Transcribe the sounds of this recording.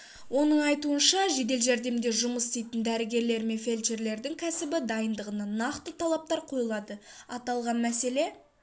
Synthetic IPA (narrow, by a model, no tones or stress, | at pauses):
wo̞nəɴɑjt̪uənʃɑʒe̞d̪e̞lʒæɾd̪e̞md̪e̞ʒʊməsd̪ejt̪ɪnd̪æɾɪɡʲe̞ɾle̞ɾme̞nfe̞lʲt͡ʃe̞ɾle̞ɾd̪ɪŋkʲʰæsɪbɪd̪ɑjənd̪əʁənɑnɑqt̪ət̪ʰɑlˠɑp̚t̪ɑɾqʰo̞jəlˠɑd̪əɑt̪ɑlˠʁɑnmæse̞le̞